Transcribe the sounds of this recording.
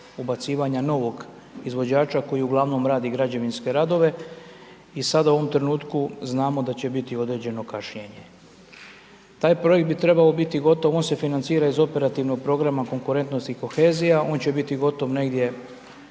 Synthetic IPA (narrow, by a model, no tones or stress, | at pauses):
ubat̪siːʋaɲano̞ʋo̞ɡ | izʋo̞d͡ʑaːt͡ʃako̞jiuɡlˠaʋno̞mɾaːd̪iɡɾad͡ʑe̞ʋinske̞ɾaːd̪o̞ʋe̞ | isad̪auoʋo̞mt̪ɾe̞nuːt̪kuznaːmo̞d̪at͡ɕe̞bit̪io̞d̪ɾe̞d͡ʑe̞no̞kaʃɲeɲe̞ | t̪aːjpɾo̞jekt̪̚bit̪ɾe̞bao̞bit̪iɡo̞t̪o̞ʋonse̞finant̪siːɾaizo̞pe̞ɾat̪iʋno̞ɡ̚pɾo̞ɡɾamako̞ŋkuɾent̪no̞st̪iko̞xe̞ːzijao̞ːnt͡ɕe̞bit̪iɡo̞t̪o̞ʋne̞ɡd̪je̞